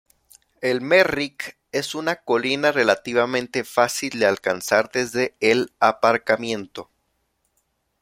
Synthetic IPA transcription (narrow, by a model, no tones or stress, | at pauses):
e̞lmerik | e̞sunako̞linare̞lat̪iβamẽnt̪e̞fasild̪ealkansaɾðe̞zðe̞ːlapaɾkamjẽ̞nt̪o̞